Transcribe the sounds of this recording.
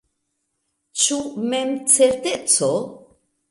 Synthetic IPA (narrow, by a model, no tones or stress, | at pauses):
t͡ʃumemt͡seɾt̪et͡so